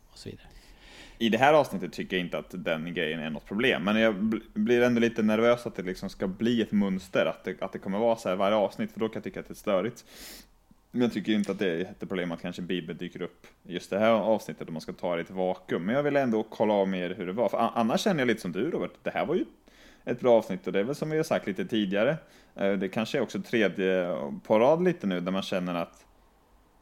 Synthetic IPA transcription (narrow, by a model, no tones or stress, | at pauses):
ɔsɔvḭːd̪aɾə | ɪd̪ɛɦæːɾɑːvsnɪt̪ːət̪ʰːʏkːəːjaɪnt̪əat̪d̪ɛnɡɾɛjːənæ̰ɳɔ̰t̪̚ːpʰɾʊbleːmːɛnjɑblɪɾɛnd̪oliːt̪ənæɾvøːsat̪̚d̪ɛlɪksɔmskabliːɛt̪mɵnst̪əɾa̰t̪̚d̪ɛʔa̰t̪̚d̪ɛkʰɔmːəɾvɑːɾsɔhæːɾvaɾjəɑːvsnɪt̪ːfœɖɔkʰanjɑt̪ʰʏkːat̪d̪ɛːst̪œːɾɪt̪ | mɛnjɑɡt̪ʏkːəjɪnt̪əat̪̚d̪ɛhɛt̪ːəpɾʊbleːmat̪kʰanʂəbiːbəld̪yːkəɾɵpːjɵst̪d̪ɛɦæːɾɑːvsnɪt̪ːət̪ɔmanskat̪ʰɑːɾɛt̪ɪvɑːkɵmːɛnjɑɡvɪlːɛnd̪okʰɔlːaɔvmeːɾɦɵɖɛvɑɾfœɾʔa̰nːaʂːɛnːəjaliːt̪əsɔmd̪ʉɾoːvɛʈ̪d̪ɛhæ̰ːɾvaɾjɵ | ɛt̪̚bɾɑːɑːvsnɪt̪ːɔd̪ɛæɾvɛlsɔmvɪhaɾsak̚t̪liːt̪ət̪ʰiːd̪ɪaɾə | d̪ɛkʰanʂəɛɾɔksɔɛt̪ʰɾeːd̪jəpʰaɾɑːd̪liːt̪ənʉ̟ːnæɾmanɕɛnːəɾat̪